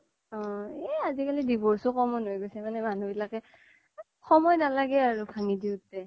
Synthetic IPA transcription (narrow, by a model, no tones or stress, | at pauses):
ɔ̃ɛazikalidibɔɹsɔkɔmɔnɦojɡojsɛmanɛmanubilakɛ | xɔmɔjnalaɡɛaɹukʰaŋidiʊtɛ